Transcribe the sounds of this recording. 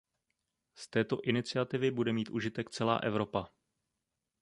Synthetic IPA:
st̪ɛːt̪o̞ʔɪnɪt͡sɪat̪ɪvɪbudɛmiːt̪ʔuʒɪt̪ɛkt͡sɛla̰ːʔɛvɾo̞pa

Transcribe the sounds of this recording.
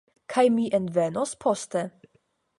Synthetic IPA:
kʰajmiʔɛnt̪vɛnospʰɔst̪ɛ

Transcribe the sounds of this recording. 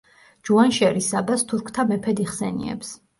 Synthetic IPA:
d͡ʒuanʃɛɾisabast̪ʰuɾkʰt̪ʰamɛpʰɛd̪iχsɛnḭɛ̰ps

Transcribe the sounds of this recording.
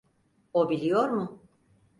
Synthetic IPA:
obilʲijoɾmʊ

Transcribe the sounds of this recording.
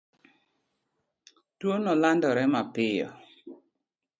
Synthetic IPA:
twonɔlandɔɾɛmapɪjɔ̰

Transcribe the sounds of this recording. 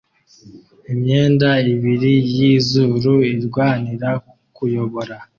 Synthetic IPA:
imɲe̞ːndaiβiɾijizuːɾuiɾɡwaːniɾa | kujo̞βo̞ɾa

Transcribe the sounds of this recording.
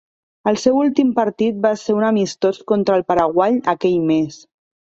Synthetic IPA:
əlˠsewulˠt̪impəɾt̪it̪̚baseɾunəmist̪oskont̪ɾəlˠpəɾəɣwaʎəkɛʎmes

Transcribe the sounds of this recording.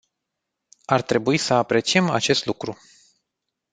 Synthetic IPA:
art̪ɾe̞buisəapɾe̞t͡ʃie̞ma̰t͡ʃe̞st̪lukɾu

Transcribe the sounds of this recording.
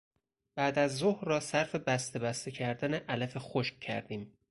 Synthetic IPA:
b̥æːd̪æzːohɾɒːsæɾfe̞bæst̪e̞bæst̪ecʰæɾd̪æneʔælæfe̞xoʃk̚cʰæ̰ɾd̪iːm

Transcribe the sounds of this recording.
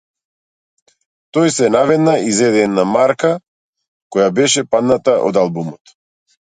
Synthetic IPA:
t̪ɔjsɛnavɛd̪naizɛd̪ɛd̪namaɾka | kɔjabɛʃɛpad̪nat̪aʔɔ̰d̪alˠbumɔt̪

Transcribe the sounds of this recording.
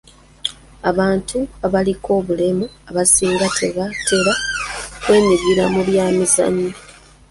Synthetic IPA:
aβaːntʰuaβalikʰo̞ːβule̞muaβasiːŋɡatʰe̞βatʰe̞ɾakwe̞ːniɡiɾamuβjaːmiza̰ɲːa

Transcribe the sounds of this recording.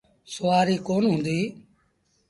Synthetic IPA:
sʊʋaːɾiːkoːnɦʊ̃ːnd̪iː

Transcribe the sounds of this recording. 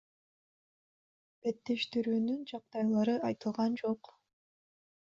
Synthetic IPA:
b̥e̞t̪ːeʃt̪iɾyːnynd͡ʒɑq̚t̪ɑjlˠɑɾɯʔɑjt̪ɯlˠʁɑnd͡ʒo̞q

